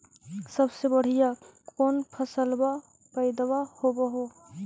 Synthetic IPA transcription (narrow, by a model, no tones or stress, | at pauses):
səbsebəɽ̤ijakoːnpʰəsəlba | pəɪd̪bahobəɦo